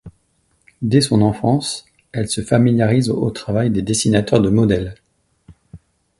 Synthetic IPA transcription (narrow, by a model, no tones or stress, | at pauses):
d̪esɔ̃nɑ̃fɑ̃s | ɛlsəfamiljaʁizo̰t̪χavajd̪ed̪esinat̪œʁd̪əmɔd̪ɛl